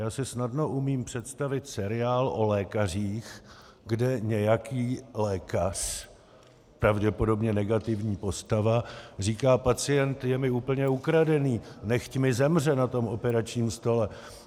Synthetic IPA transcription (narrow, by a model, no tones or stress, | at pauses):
jaːsɪsnadno̞ʔumiːmpr̝̥ɛt̪st̪avɪt̪sɛɾɪaːlʔo̞lɛːkar̝iːx | ɡdɛɲɛjakiːlɛːkar | pɾavɟɛpo̞do̞bɲɛnɛɡat̪ɪvɲiːpo̞st̪avar̝iːkaːpat͡sɪjɛnt̪jɛmɪuːpl̩ɲɛukɾadɛniːnɛxcmɪzɛmr̝ɛnat̪o̞mo̞pɛɾat͡ʃɲiːmst̪o̞lɛ